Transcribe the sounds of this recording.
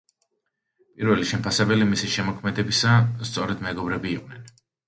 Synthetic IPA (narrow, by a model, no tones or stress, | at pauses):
pʼiɾvɛliʃɛmpʰasɛbɛlimisiʃɛmɔkʰmɛd̪ɛbisast̪sʼɔɾɛd̪mɛɡɔbɾɛbiːqʼnɛn